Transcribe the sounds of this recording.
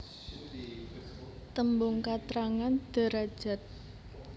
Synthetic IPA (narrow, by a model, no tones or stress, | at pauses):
t̪əmbʊŋkat̪ɾaŋand̪̥ə̤ɾad̥ʒ̥a̤t̪̚